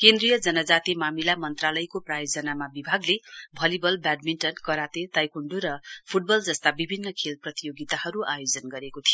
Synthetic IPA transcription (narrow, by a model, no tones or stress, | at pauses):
kẽnd̪rijʌd͡zʌnʌd͡zat̪imamilamʌnt̪ralʌjkoprajod͡zʌnamabibʱaɡlebʱʌlibʌlbaɖminʈʌnkʌɾat̪et̪ajkuɳɖuɾʌpʰuʈ̚bʌld͡zʌst̪abibʱinːʌkʰelprʌt̪ijoɡit̪ahʌɾuʔajod͡zʌnɡʌɾekot̪ʰijo